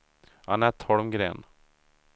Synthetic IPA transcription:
hɑ̰næt̪ʰɔɽmɡɾḛːn

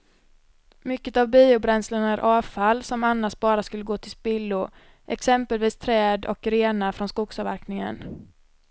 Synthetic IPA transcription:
mʏkːət̪avbiːʊbɾɛnslənæɾʔɑːvfalːsɔmanːaʂbɑːɾaskɵlːəɡoːt̪ʰɪlspɪlːʊ | ʔɛ̰ksɛmpəlviːst̪ʰɾɛːd̪ɔ̰kɾeːnafɾɔnskʊɡsɑvæ̰ɾknɪŋə̰n

